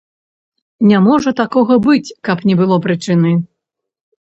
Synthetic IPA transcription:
nʲamɔʐɐt̪akɔɣɐbɨt͡sʲkɐpnʲɛbɨlˠɔpɾɨt͡ʂɨnɨ

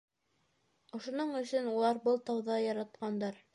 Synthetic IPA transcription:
ŏʃŏnoɴɵ̆sɵnulˠɑɾbɤlˠt̪ɑwðɑjɑɾɑt̪̚qɑnd̪ɑɾ

